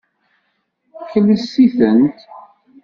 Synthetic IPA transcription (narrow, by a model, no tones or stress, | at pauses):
kələsːiθənt̪